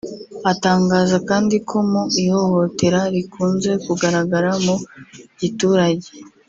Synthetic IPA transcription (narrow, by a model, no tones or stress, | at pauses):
ataːŋɡaːzakaːndikʰo̞muiho̞ho̞te̞ɾaɾikuːnze̞kuɡaɾaɡaɾamoɟituːɾaɟe̥